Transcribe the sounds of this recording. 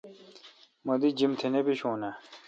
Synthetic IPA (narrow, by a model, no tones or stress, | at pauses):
mɐd̪id͡ʑimt̪ʰenepiɕõːna